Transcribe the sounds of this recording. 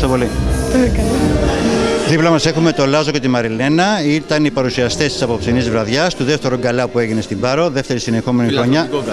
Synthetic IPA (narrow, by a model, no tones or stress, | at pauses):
st̪o̞po̞lit̪ekɐl | ðiplɐmɐse̞xume̞t̪olɐzo̞ce̞t̪imɐɾile̞nɐit̪ɐnipɐɾusiɐst̪est̪i̥sɐpo̞psinizvɾɐðʝɐst̪uðeft̪e̞ɾoɡɐlɐpue̞ʝine̞st̪imbɐɾo̞ðe̞ft̪e̞ɾisine̞xo̞me̞nixɾo̞ɲɐ